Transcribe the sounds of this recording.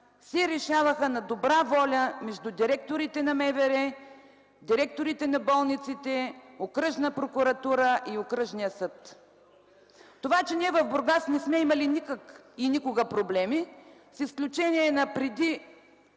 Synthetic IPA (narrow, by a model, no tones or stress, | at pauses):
sɛɾɛʃavəxənɐd̪obɾavɔlʲəmɛʒd̪ud̪iɾɛk̚t̪oɾit̪ɛnɐmɛvɛɾɛ | d̪iɾɛk̚t̪oɾit̪ɛnɐbɔlˠnit̪sit̪ɛokɾəʃnəpɾokuɾɐt̪uɾəʔiokɾəʃnijəsɤt̪ | t̪ovat͡ʃɛniɛvɐvboɾɡasnɛsmɛimɐlinikəkinikoɡəpɾoblɛmi | sisklʲut͡ʃɛniɛnɐpɾɛd̪i